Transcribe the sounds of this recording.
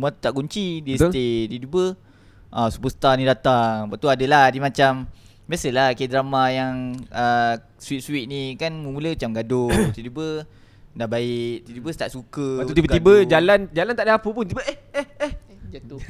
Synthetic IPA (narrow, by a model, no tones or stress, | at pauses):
muat̪t̪aʔɡuɲt͡ʃidisedidubə | ʔasupust̪anidat̪aŋbaʔt̪uadəlahdimat͡ʃam | biasəlahkidɾamajaŋə | suit̪̚suɪʔ̪̚nikanməmuləat͡ʃamɡadʊt̪idubə | dahbaɪk̚d̪idubəsə̥t̪aʔsukət̪ut̪ibət̪ibəd͡ʒaland͡ʒalant̪aʔdaɦapəpʊnt̪ibəʔeeeh | d͡ʒat̪u